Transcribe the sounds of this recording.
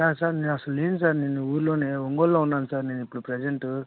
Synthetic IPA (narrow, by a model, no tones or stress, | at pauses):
saːɾsaːɾneːnɐsɐlueːnusaːɾneːnuuːɾlo̞ːneːoŋɡolːoːunːaːnusaːɾne̞ːnipːuɽupɾed͡ʒeɳʈu